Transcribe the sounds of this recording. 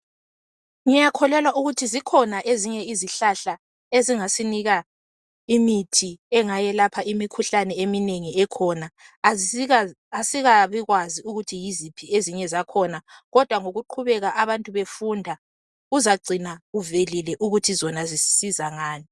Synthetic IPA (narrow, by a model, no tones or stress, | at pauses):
ŋijakʰɔlɛlwauɣutʰizikʰɔnaʔeziɲɛiziɬaɬa | eziŋasiniɣa | imitʰiɛŋajɛlapʰaimikʰuɬanɛemineŋiɛkʰɔna | asiɣaβiɣwaziuɣutʰijizipʰieziɲɛzakʰɔnaɣɔd̥ʱwaŋoɣuǃʰuβɛɣaʔaβantʼuβefundʱa | uzaɡ͡ǀʱinaɣuvelilɛʔuɣutʰizɔnazissizaŋaːni